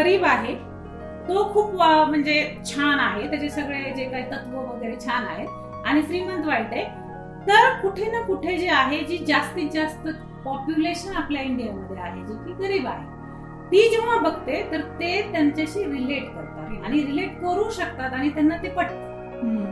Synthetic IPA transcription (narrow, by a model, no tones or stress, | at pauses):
ɡəɾiːbaɦe | t̪okʰuːpʋm̤əɳd͡zet͡ɕʰanaɦet̪jat͡ɕesəɡɭed͡ʑekaɦiːt̪ət̪ʰʋəʋəɡəjɾet͡ɕʰana̰ɦe | aɽ̃ifɾiːmənt̪ʋajʈ̪e | t̪əɾkuʈʰenəkuʈʰed͡zeaɦed͡ʑiːd͡ʑast̪id͡ʑast̪ | pɔpjuleɕənapljaiɳɖijaməd̪ʱːeaɦed͡ʑokiːɡəɾiːbaɦe | t̪iːd͡ʑeʋ̤abʱəɡ̚t̪et̪əɾt̪et̪jaɲt͡ɕaɕiːɾileʈkəɾt̪aaɽ̃iɾileʈkəɾuːɕək̚t̪at̪aɽ̃it̪janːat̪epəɽt̪a